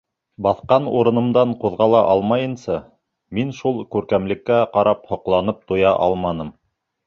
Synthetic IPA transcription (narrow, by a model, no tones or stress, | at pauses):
bɑθqɑnuɾɤ̆nɤ̆md̪ɑɴquðʁɑlˠɑʔɑlˠmɑjɤ̆nsɑ | minʃulˠkʉɾkæmlɘ̆kːæqɑɾɑphŏqlˠɑnɤp̚t̪ŭjɑʔɑ̰lˠmɑnɤm